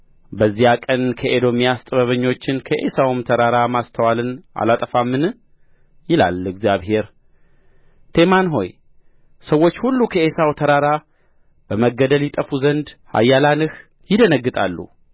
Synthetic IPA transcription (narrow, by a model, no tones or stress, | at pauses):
bəzːijakʼənkʰəʔed̪o̞mijast̪ʼəβəβəɲːo̞t͡ʃːɪnkʰəʔesawɨmt̪ʰəɾaɾamast̪ʰəwalɨnʔa̰lat̪ʼəfamːɨn | jɪla̰lɨɡzjaβhe̞ɾ | t̪ʰe̞manɦo̞j | səwo̞t͡ʃːhulːukʰəe̞sawt̪ʰəɾaɾa | b̥əməɡːəd̪əljɪt̪ʼəfuzənd̪ha̰jːalanɨh | jɪd̪ənəɡːɨt̪ʼalːṵ